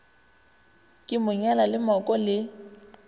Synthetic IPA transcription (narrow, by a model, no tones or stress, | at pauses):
kʼɪmʊɲɛlalɪmɔkʼɔlɪ